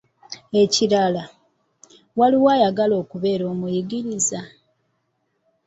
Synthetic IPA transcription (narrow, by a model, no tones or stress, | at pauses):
e̞ciɾala | waliwajaɡalo̞ːkuβe̞ːɾo̞ːmujiɡiɾiza